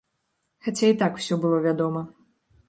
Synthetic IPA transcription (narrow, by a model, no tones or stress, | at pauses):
xat͡sʲait̪akw̥sʲɔbɨlˠɔvʲad̪ɔmɐ